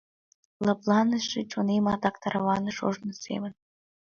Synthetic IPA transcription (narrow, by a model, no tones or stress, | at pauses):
lɑplˠɑnəʃet͡ɕonemɑt̪ɑkt̪ɑɾɑβɑnəʃo̰ʒnə̆sḛmən